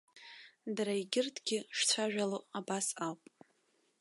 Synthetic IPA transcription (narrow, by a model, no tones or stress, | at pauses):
daɾaiɡʲɪrtʰɡʲɪʂt͡sʷʰaʒᶣaloabasawpʼ